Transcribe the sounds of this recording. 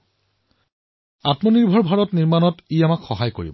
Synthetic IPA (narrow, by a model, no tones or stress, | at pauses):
atmɔniɹbʱɔɹbʱaɹɔtniɹmanɔtijamakxɔɦajko̰ɹḭbɔ